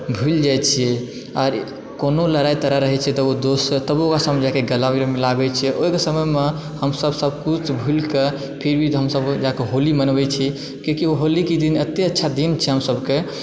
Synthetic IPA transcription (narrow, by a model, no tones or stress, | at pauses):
bʱuld͡ʒajt͡ʃʰijɛ | aɾ | konoləɾait̪əɾəɾəɦɛt͡ʃʰɛt̪ɔod̪ost̪əbokasamed͡ʒakeɡəlamiɾemilabɛt͡ʃʰijɛʔoikesəməjme | həmsəbʱsəbkut͡ʃʰbʱulke | pʰiɾbʱiɦəmsəbd͡ʒakeɦolimənbɛt͡ʃʰi | kikioɦolikid̪inət̪ːeətːʃʰad̪int͡ʃʰɛɦəmsəbke